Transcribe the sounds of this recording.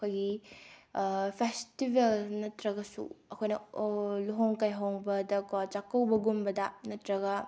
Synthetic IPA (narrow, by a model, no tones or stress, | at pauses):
ɐkʰojɡi | pʰestibelnɐtɾɐɡɐsṵɐkʰojnɐluɦoŋkajɦoŋbɐdɐkat͡ʃakːɐwbɐɡumbɐdɐnɐtɾɐɡɐ